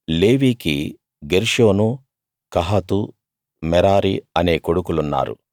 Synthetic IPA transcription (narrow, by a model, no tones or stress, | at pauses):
le̞ːʋiːkḭ | ɡeɾʂoːnu | kɐɦɐt̪u | mɛɾaːɾiɐne̞ːkoɽukulunːa̰ːɾṵ